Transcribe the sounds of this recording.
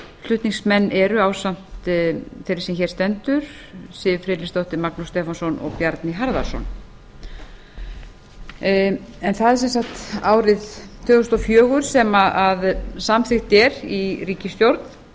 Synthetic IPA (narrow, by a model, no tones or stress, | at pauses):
l̥ʏht̪niŋsmɛnːʔɛɾʏaːwsam̥t̪θejɾɪɾ̥sɛmçɛːɾ̥st̪ɛnt̪ʏɾ̥ | sɪðɪfɾɪt̪list̪owht̪ɪmaknust̪ɛːfansɔnɔ̰ɣpjaɾt̪nɪɦaɾða̰̥sɔ̰n | ɛnθaðɛɾ̥sɛnsakt̪aːwɾɪðt̪ʰœːɣʏst̪ɔfjœːɣʏɾ̥sɛmaaðsamθɪxt̪ɛɾiriːcɪst̪jowɾt̪n̥